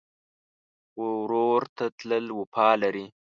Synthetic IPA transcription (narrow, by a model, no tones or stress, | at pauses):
wowɾoɾt̪at̪ləlwopʰɑːlaɾi